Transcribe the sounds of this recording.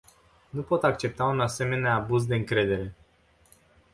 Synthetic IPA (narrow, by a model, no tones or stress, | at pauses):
nupo̞t̪ak̚t͡ʃe̞p̚t̪aunase̞me̞neaːbuzd̪e̞ɨŋkɾe̞d̪e̞ɾe̞